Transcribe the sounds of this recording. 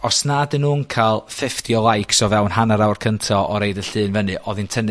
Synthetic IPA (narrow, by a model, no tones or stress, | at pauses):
ɔsnadɨnːuːnkʰalˠfɪftiɔlˠajkʰsɔvɛwnhanaɾawrkʰəntʰɔɔɾejdəɬɨːnvənɨʔɔðintʰən